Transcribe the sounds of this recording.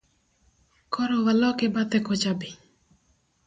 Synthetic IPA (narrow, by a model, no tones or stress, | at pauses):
kʰɔɾɔwalɔkɛbat̪ɛkɔt͡ʃabi